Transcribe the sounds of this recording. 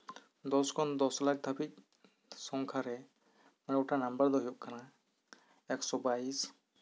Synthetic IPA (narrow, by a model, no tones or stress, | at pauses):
d̪ɔskʰɔnd̪ɔsɔlak̚d̪ʱabit̪̚ | sɔŋkʰaɾɛ | manɔutanambəɾd̪ɔɦijɔʔ̚kʰana | ɛksɔbajs